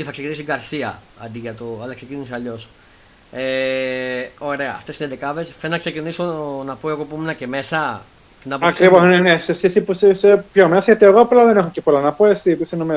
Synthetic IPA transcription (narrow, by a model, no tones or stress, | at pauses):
iθɐksecinis̬iɡɐɾθiɐ | ɐ̰nd̪iʝɐt̪oɐlɐksecinisɐʎo̞s | e | o̞ɾe̞ɐːft̪esined̪ekɐve̞sfennɐkse̞cinisonɐpoe̞ɣo̞pumenɐceme̞sɐ | inɐpɐkɾivoznenesesisipusisepçomesɐʝɐt̪ieɣoɐplaðenexocepolɐnɐpoesipusinome